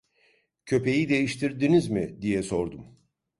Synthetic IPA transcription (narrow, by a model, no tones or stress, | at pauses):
cʰø̞pʰe̞jid̪e̞jiʃt̪ʰiɾd̪inizmɪd̪ijɛso̞ɾd̪um